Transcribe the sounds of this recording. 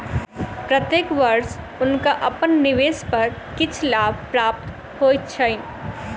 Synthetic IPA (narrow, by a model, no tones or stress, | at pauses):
pɾət̪jeːkʋɐɾs | ʊnkaʔɐpənːɪʋeːspɐɾkɪt͡ʃʰlaːbʱpɾaːp̚t̪ | hoːjt̪t͡ʃʰəɪn